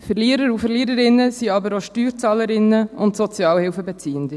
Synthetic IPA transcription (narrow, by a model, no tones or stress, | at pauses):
fəɾliːəɾəɾufəɾliːəɾəɾɪnːəsiɑbəɾoʃtyːɾt͡sɑːləɾɪnːəʊntsɔt͡sjɑːlhɪlfəbɛt͡siːənd̪i